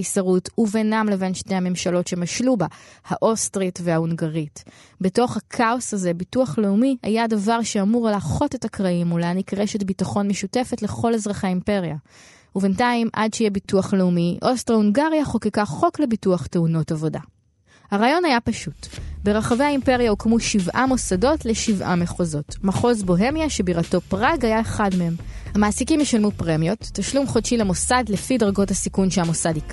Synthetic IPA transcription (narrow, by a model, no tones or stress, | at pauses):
isaʁutuvenamle̞ve̞nʃnehame̞mʃalo̞tʃe̞maʃlubahaʔo̞stʁitvehauŋɡaʁit | beto̞χhakʰao̞saze̞bituaχleumia̰jadavaʁʃeamuʁlaːχo̞tethakʁaimulanikʁe̞ʃe̞tbitaχo̞nmeʃute̞fe̞tle̞χo̞lezʁaχeimpe̞ʁja | ube̞ntaimʔa̰dʃejebituaχleumiʔo̞stʁauŋɡaʁjaχokikaχo̞kle̞bituaχteuno̞tavo̞da̰ | haʁaːjo̞nhajapaʃutbe̞ʁaχaveaimpe̞ʁjaukmuʃivʔamo̞sado̞tleʃivʔa̰meχozo̞tmaχo̞zbo̞ɦe̞mjaʃebiʁato̞pʁaɡhajaeχadmehe̞mhamaːsikimjeʃalmupʁemjo̞tːaʃlumχodʃilemo̞sadlefidɐʁɡo̞thasikunʃeamosadik